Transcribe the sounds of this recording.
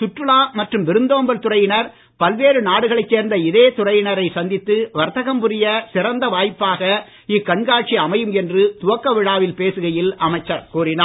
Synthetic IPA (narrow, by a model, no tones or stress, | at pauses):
t̪ʊʈrɯɭaːmɐʈrɯmʋɪɾɯnd̪oːmbɐlt̪ʊrɐjɪnɐɾ | pɐlʋeːɾɯnaːɽɯɣɐɭɐɪt͡ʃːeːɾnd̪ɐɪðeːt̪ʊrɐjɪnɐɾɐɪsɐnd̪ɪt̪ːɯʋɐɾt̪ɐɣɐmpʊɾɪjɐsɪɾɐnd̪ɐʋaːjpːaːɣɐ | ɪkːɐɳɡaːʈ̚t͡ʃiɐmɐjɯmɛndrɯt̪ʊʋɐkːɐʋɪɽaːʋɪlpeːsɯɣɐjɪlɐmɐɪt͡ʃːɐɾkuːrɪnaː